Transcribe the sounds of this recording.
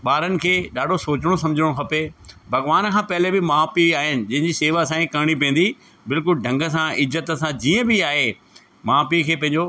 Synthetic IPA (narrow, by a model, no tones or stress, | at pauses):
ɓaːɾənɪ̆kʰeːɗaːɖʱosoːt͡ɕɪɽ̃osɐ̃md͡ʑʱəɽ̃õkʰɐpebʱɐɣʋaːnkʰãːpɐɦɪlebɪmaːpiaːɦɪnɪ̆d͡ʑɐ̃ɦɪ̃ɲd͡ʑiseːʋasãːĩkɐɦɽ̃ipĩːn̆d̪i | bɪlkʊlɖʱɐ̃ŋɡə̆s̬ãɪzət̪əsãd͡ʑiːə̃bɪaːɦe | maːpikʰeːpɐ̃ɦɪ̃ɲ̆d͡ʑo